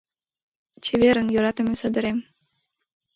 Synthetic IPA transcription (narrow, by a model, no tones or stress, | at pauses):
t͡ɕʰeβeɾənjoɾɑt̪ə̆mesə̆d̪ə̆ɾem